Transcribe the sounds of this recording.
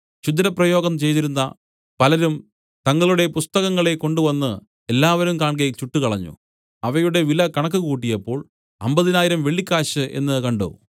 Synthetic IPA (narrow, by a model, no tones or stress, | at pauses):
ɕud̪ɾɐprɐjo̞ːɡɐmt͡ɕe̞jt̪iɾunːɐ | pɐlɐɾum | t̪ɐŋːɐɭuɽe̞pust̪ɐɣɐŋːɐɭe̞ko̞ɳɖuʋɐnːɨ | elːaːʋɐɾumkaːɳk̬ɐjit͡ɕuʈːukɐɭɐɲːṵ | ɐʋɐjuɽe̞ʋilɐkɐɳɐk̬ːɨkuːʈ̬ːijɐpːo̞ːɭ | ɐmbɐðinaːjiɾɐmʋeɭːikʲːaːɕɨʔe̞̰nːɨkɐɳɖo̰